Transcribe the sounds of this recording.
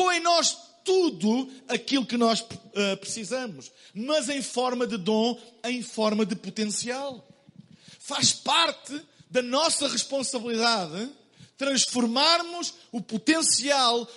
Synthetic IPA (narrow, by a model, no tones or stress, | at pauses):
oẽj̃nɔʃt̪uðuɐkilˠukɨnɔʃɛpɾɨsizɐmuʃmɐzẽj̃fɔɾmɐðɨðõẽj̃fɔɾmɐðɨput̪ẽsialˠ | faʃpaɾt̪ɨd̪ɐnɔsɐʁɨʃpõsɐβɨlˠiðaðɨ | t̪ɾɐ̃ʃfuɾmaɾmuʃuput̪ẽsialˠ